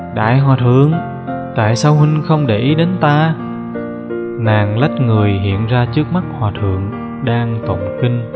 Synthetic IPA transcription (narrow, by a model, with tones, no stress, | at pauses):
ɗa̰ː˧˨jɦwaː˨˩t̪ʰɨ˨əŋ | t̪a̰ː˧˨jsaː˧whï˧ŋ̟xə˧wŋ͡mɗe˧˩ʔi˨˦ɗe˨˦nt̪aː˧ | naː˨˩ŋla˦˥t̚ŋɨ˨˩əjɦḭ˧˨ənzaː˧t͡ɕɨ˦˥ək̚ma˦˥k̚hwaː˨˩t̪ʰɨ̰˧˨əŋ | ɗaː˧ŋt̪ə̰˧˨wŋ͡mki˧ŋ̟